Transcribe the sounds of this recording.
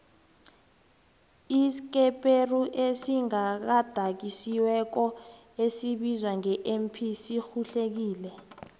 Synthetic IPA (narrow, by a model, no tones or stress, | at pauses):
isk̬ɛpʼeruʔesiŋak̬ad̥ʱak̬isiwɛk̬ɔ | esiɓizwaŋɛʔɛmpʰisixuɬek̬iːlɛ